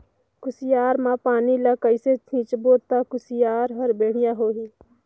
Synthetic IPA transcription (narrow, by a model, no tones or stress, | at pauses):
kʊsɪjaːɾmãpaːniləkəɪset͡ʃʰĩːt͡ʃboːt̪akʊsɪjaːɾɦəɾbeːɽ̤ɪjãɦoːɦiː